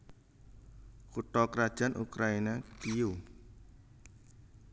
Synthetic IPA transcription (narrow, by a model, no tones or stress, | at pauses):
kut̪ɔkɾad̥ʒ̥a̤nʔṵkɾainakiu